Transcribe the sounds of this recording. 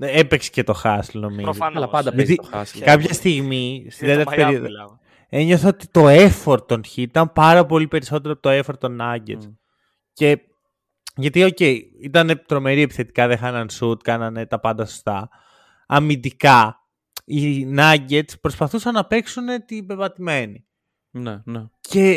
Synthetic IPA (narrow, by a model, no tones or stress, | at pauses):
epekse̥ce̞t̪o̞xɐslno̞mizd̪ɐt̪iskɐpçɐst̪iɣmist̪iððet̪eɾpeɾio | e̞ɲo̞θɐot̪it̪o̞e̞fo̞ɾt̪onçiit̪ɐmpɐɾɐpo̞lipe̞ɾiso̞t̪e̞ɾoɐpot̪oefo̞ɾt̪o̞nɐɟḛs | ce̞ | ʝɐt̪io̞ce̞i | it̪ɐnet̪ɾo̞me̞ɾie̞pi̥θe̞t̪i̥kɐðexɐnɐnsut̪kɐnɐne̞t̪ɐpɐnd̪ɐso̥st̪ɐ̰ | ɐmind̪ikɐ | inɐɟe̞t̪spɾo̞spɐθusɐnːɐpe̞ksune̞t̪ibe̞vɐt̪ime̞ni | nce̞